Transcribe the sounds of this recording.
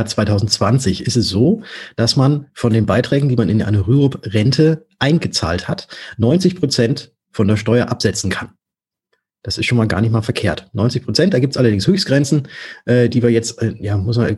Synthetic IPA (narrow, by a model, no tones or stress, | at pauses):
t͡sv̥aɪtʰaʊzn̩tt͡sv̥ant͡sɪçɪstɛsz̥oːd̥asmanfɔndeːnbaɪtʁ̥ɛːɡŋ̩diːmanɪnʔa̰ɪnəʁyːʁʊpʁɛntʰəʔaɪnɡət͡sa̰ːlthatnɔʏnt͡sɪçpʁ̥ot͡sɛnt | fɔndeːɐʃtɔʏɐʔapz̥ɛt͡sn̩kʰan | d̥asɪstʃoːnmaːlɡa̰ːɐnɪçtmaːlfɛɐkʰeːɐtnɔʏnt͡sɪçpʁ̥ot͡sɛnt̚d̥aːɡiːp̚tsʔalɐdɪŋshøːçstɡ̥ʁɛnt͡sn̩ʔɛːdiːviːɐjɛt͡stɛjaːmʊsman